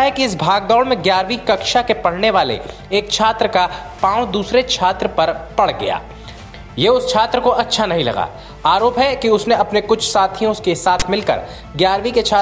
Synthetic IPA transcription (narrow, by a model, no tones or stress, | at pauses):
ɦɛkiɪs̬bʱaːɡ̚d̪ɔːɽmẽɡjaːɾʋikɐkʃakepɐɽ̤neʋaːlḛ | eːkt͡ʃʰaːt̪ɾəkapãːwd̪uːsɾet͡ʃʰaːt̪ɾəpɐɾpɐɽɡɐ̰ja̰ː | jeːʊst͡ʃʰaːt̪ɾəkoʔɐtːʃʰanɐɦĩlɐ̰ɡa̰ː | aːɾoːpɦɛkiʊsneɐpnekʊt͡ʃʰsaːt̪ʰijõskesaːt̪ʰmɪlkɐ̰ɾ | ɡjaːɾʋiket͡ʃʰaː